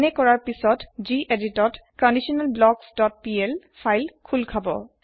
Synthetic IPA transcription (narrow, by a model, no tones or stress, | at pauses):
nɛkɔɹaɹpisɔtziʔeditɔtkɔndisɔnalblɔɡsdɔt̚pielfʰajlkʰulkʰabɔ̰